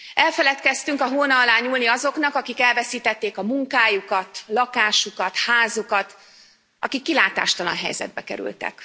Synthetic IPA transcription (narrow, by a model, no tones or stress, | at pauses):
ʔɛlfɛlɛt̪kɛst̪yŋkɒɦoːnɒːlaːɲuːlniɒzo̞knɒkɒkikɛlvɛsiːt̪ɛt̪ːeːkɒmuŋkaːjukɒt̪lɒkaːʃukɒt̪haːzukɒt̪ | ʔɒ̰kikːilaːt̪a̰ːʃt̪ɒlɒ̰nɦɛ̰jzɛ̰d̪̚bɛkɛ̰ɾy̰lt̪ɛ̰k